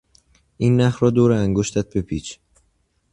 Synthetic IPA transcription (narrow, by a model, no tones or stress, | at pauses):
ʔiːnːæhɾɒːd̪oːɾeæŋɡoʃt̪æt̪̚bepʰiːt͡ʃʰ